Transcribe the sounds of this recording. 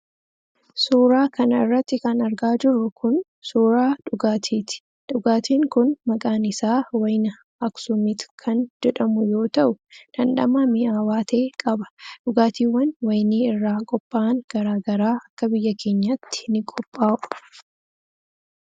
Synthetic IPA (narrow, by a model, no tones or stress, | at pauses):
suːɾaːkɐnɐɪrːɐt̪ːɪkɐnɐɾɡaːd͡ʒɪɾːʊkʊn | suːɾaːᶑʊɡaːt̪ʰiːt̪ɪ̥ | ᶑʊɡaːt̪ʰiːŋkʊnmɐkʼaːnɪsaːwɐjnɐ | ɐksʊmɪt̪kʰɐnd͡ʒɛᶑɐmʊjo̞ːt̪ɐʔʊd̥ɐnɗɐ̰maːmɪʔaːwaːt̪ʰe̞ːkʼɐbɐ̥ᶑʊɡaːt̪iːwːɐnwɐjniːɪrːaːkʼɔpʼːaːŋɡ̥ɐɾaːɡɐɾaːɐkːɐbɪjːɐkʰe̞ːɲːɐt̪ːɪ̥nɪkʼɔpʼːaːʔʊ